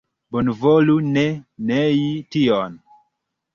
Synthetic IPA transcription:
bonvolunɛnɛjitiɔn

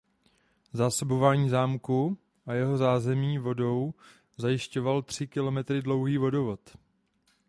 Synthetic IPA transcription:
zaːso̞bo̞vaːɲiːzaːmku | ʔajɛɦo̞zaːzɛmɲiːvo̞do̞w | zajɪʃco̞valt̪r̝̥ɪkɪlo̞mɛt̪ɾɪdlo̞wɦiːvo̞do̞vo̞t̪

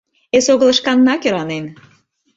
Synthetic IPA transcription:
esoɣə̆lɤ̆ʃkɑnːɑkøɾɑnem

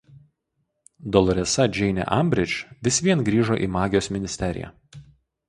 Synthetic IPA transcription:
d̪ɔlˠɔɾʲɛsɐd͡ʒʲɛɪnʲɛ̰ʔɐmʲbʲɾʲɪt͡ʃʲʋʲɪsʲʋʲiɛnɡɾʲiːʒoːʔḭːmɑːɡʲɪjoːsmʲɪnʲɪsʲt̪ʲɛɾʲɪ̰jæ̰

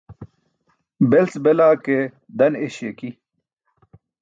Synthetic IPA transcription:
belsbelaːke | d̪ɐneɕeki

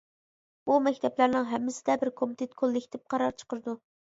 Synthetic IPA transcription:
b̥umɛkʲt̪ʰɛplæɾnɨŋɦɛmːɪsɪd̪ɛbɪɾkʰomɪt̪ʰet̪̚kʰolˠːɪkʲt̪ʰɪp̚qʰɑɾɑɾt͡ʃʰə̥qəɾɨd̪u

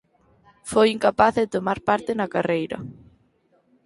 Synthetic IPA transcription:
fojiŋkapaθðet̪omaɾpaɾt̪ɪnakarejɾɐ̰

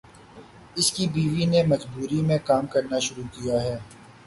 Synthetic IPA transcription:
ɪskibiːʋinemɐd͡ʒbuːɾimẽkaːmkɐɾnaʃʊɾukijaɦɛː

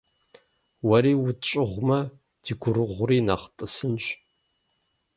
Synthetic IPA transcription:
wɐɾiːwʊt͡ʃʼɪʁʷmɐ | d̥iːɡʷʊɾɨʁʷʊriːnaːχtʼɨsɨnɕ

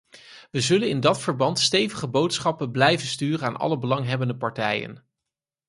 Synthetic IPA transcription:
ʋəzɵlənɪndɑtfəɹbɑntstejvəχəbowtsχɑpənblɛjvənstyːrənaːnʔɑ̰ləbəlɑŋɦɛbəndəpɑɹtɛjə̰n

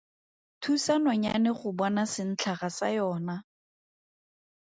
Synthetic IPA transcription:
tʰusanɔɲa̰nɪχʊbɔnasɪn̩t͡ɬʰaχasa̰jɔːna

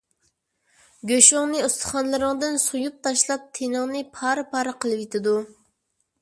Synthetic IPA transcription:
ɡʲøʃʊŋnɨust̪ʰə̥χɑnlˠɨɾɨŋd̪ɨnsujup̚t̪ʰɑʃlˠɑp̚t̪ʰenɨŋnɨpʰɑɾɨpʰɑɾɨqʰəlˠɨwit̪ʰɪd̪u

